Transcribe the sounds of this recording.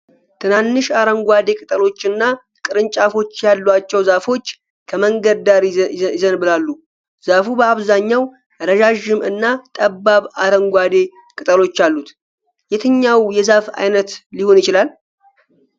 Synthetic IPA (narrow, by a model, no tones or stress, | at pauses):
t̪ʰɨnanːɨʃaɾəŋɡʷad̪e̞kʼɨt̪ʼəlo̞t͡ʃːɨnːa | kʼɨɾɨnt͡ʃʼafo̞t͡ʃːjalːwat͡ʃːɛwzafo̞t͡ʃː | kʰəməŋɡəd̪aɾɪzənbɨlalːu | z̥afubəaβzaɲːaw | ɾəʒaʒɪmɨ̰nːat̪ʼəbːaβaɾəŋɡʷad̪e̞ | kʼɨt̪ʼəlo̞t͡ʃːalːut̪ | jɛt̪ʰɨɲːawjɛzafa̰jnət̪liho̞njɪt͡ʃɪlal